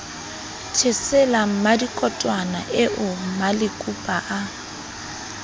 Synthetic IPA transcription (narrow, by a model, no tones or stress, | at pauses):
tʰɪsɛlam̩madikʼɔtʼwana̰ʔɪʔʊm̩malɪkʼupʼaʔa